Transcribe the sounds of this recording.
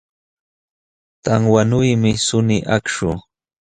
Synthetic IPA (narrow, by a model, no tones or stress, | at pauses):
t̪aŋwanʊjmɪsʊnɪʔakʃʊ